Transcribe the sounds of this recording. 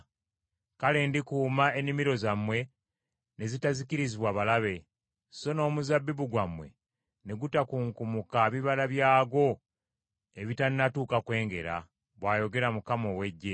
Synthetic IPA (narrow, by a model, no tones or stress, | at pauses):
kale̞ndikuːmae̞nimiɾo̞zamwe̞ | ne̞zitaziciɾiziβwaβalaβe̞ | so̞no̞ːmuzabːiβuɡwamwe̞̰ | ne̞ɡutakuːŋkumukaβiβalaβjaːɡo̞ | e̞βitanːatuːkakwe̞ːŋɡe̞̰ɾa̰ | βwaːjo̞ɡe̞ɾamukamo̞we̞ɟːe̞